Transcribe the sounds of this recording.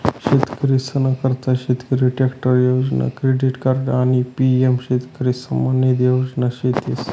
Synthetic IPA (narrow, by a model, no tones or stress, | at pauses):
ɕit̪kɾisənakəɾt̪aɕit̪kɾiʈekʈoɾjod͡ʑna̰kɾeɖiʈkaɾɖanipiemɕit̪kɾisəmaned̪jod͡ʑnaɕit̪is